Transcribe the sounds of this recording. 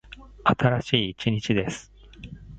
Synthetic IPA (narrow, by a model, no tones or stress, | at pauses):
at̪ʰaɾaɕiːt͡ɕiɲ̟it͡ɕid̪e̞sɨ̥